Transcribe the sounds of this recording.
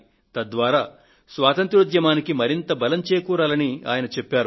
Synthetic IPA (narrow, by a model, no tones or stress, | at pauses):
t̪ɐd̪ʋaːɾaː | sʋaːt̪ɐnt̪ɾud̪jɐmaːnikimɐɾint̪ɐbɐlɐmt͡ʃeːkuːɾaːlɐnia̰ːjɐnɐt͡ʃepːaːɾu